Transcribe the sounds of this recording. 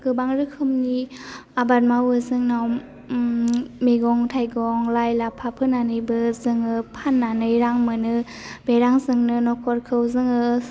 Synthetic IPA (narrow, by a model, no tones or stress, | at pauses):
ɡɯbaŋɾɯkʰɯmniabat̚mawɯzɯŋnaw | meɡɔŋtʰajɡɔŋlajlapʰapʰɯnanɯjbɯzɯŋɯpʰanːanɯjɾaŋmɯnɯ | beɾaŋzɯŋnɯnɔkʰɔɾkʰɯwzɯŋɯ